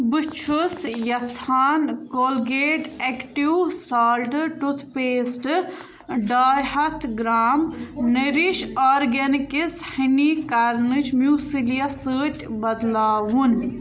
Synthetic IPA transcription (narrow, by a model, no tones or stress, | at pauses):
bɨt͡ʃʰusjɐt͡sʰaːnkoːlɡeːɖekʈiwsaːlʈɨʈut̪ʰpeːsʈɨ | ɖaːjhɐt̪ʰɡɾaːmnɐɾiʃɔːɾɡɐnikis | hinikɐɾnɨt͡ʃʰmjuːsilijɐsəːt̪ʲbɐd̪laːʋun